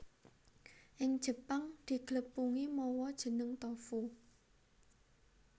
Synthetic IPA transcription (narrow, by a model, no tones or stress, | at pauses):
ʔɪŋd̥ʒ̥ə̤paŋd̪̥i̤ɡ̥ləpuŋimɔwɔd̥ʒ̥ə̤nəŋt̪ɔfu